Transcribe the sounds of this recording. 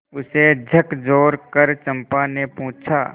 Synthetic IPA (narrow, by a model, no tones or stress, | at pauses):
ʊsed͡ʒʱɐkd͡ʒoːɾkɐɾt͡ʃɐ̃mpanepɔ̃ɦʊ̃t͡ʃʰa̰ː